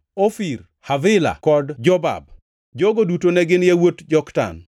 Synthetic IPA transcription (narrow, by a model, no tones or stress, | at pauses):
ofiɾ | havɪla̰kɔdd͡ʒɔba̰b̚ | d͡ʒoɡodutonɛɡɪnjewotd͡ʒɔkta̰n